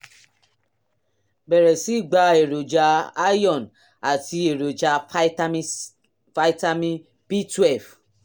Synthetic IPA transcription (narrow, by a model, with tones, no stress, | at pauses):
bɛ˨ɾɛ˨si˨˦˨ɡ͡ba˧e˨ɾo˨d͡ʒa˧a˦jɔ̃˨n | a˨ti˧e˨ɾo˨d͡ʒa˧˦ | fa˦i˦ta˦mĩ˦ | pi˦twɛ˦˨f